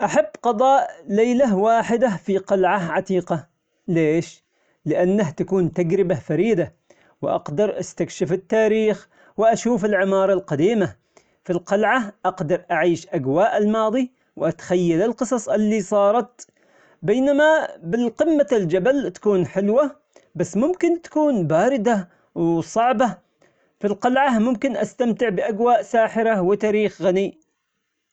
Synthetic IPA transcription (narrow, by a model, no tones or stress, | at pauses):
ʔaħabːqɑðˤɑːʔlajlawaːħɪd̪afiqɑlʕaʕat̪iːqɑ | leːʃ | lɪʔanːaɦt̪akuːnt̪aɡɾɪbafaɾiːd̪a | wʔɑ̰qd̪ɑɾˤʔa̰st̪akʃɪfɪt̪ːaːɾiːx | wɪʔaʃuːfɪlʕɪmɑːɾˤɑlqɑd̪iːma | filqɑlʕaʔɑqd̪ɑɾˤʔaʕiːʃʔaɡwaːʔɪlmɑːðˤi | wʔat̪xajːalɪlqɨsˤɑsˤʔɪlːisˤɑːɾˤɑt̪ | beːnamabɪlqɪmːald͡ʒabalt̪ḁkuːnħɪlwa | basːmʊmkɪnt̪ḁkuːnbaːɾɪd̪a | wsˤɑʕba | filqɑlʕamʊmkɪnʔa̰st̪amt̪ɪʕbɪʔaɡwaːʔsaːħɪɾawɪt̪aːɾiːxɣani